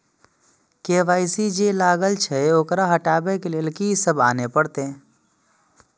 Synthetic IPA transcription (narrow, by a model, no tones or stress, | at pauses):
keːʋaːisid͡ʒelaːɡəlt͡ʃʰɛoːkɾaɦəʈaːbekelelkisəbaːnepəɽt̪eɛ̃